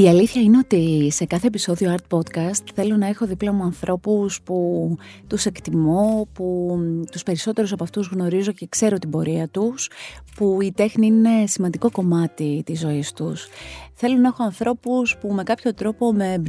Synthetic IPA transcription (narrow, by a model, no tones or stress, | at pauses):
iɐliθçɐine̞o̞t̪ise̞kɐθe̞episo̞ðioɐɾt̪̚po̞t̪kɐst̪θe̞lo̞nɐe̞xo̞ðiplɐmuɐnθɾʔo̞puspu | t̪use̞kt̪imoput̪uspe̞ɾiso̞t̪e̞ɾusɐpɐft̪uzɣno̞ɾizo̞cekse̞ɾo̞t̪ibo̞ɾiɐt̪uspuit̪e̞xniine̞simɐnd̪iko̞ko̞mɐt̪it̪izo̞ist̪usθe̞lo̞nɐexo̞ɐnθɾo̞puspume̞kɐpço̞t̪ɾo̞po̞me̞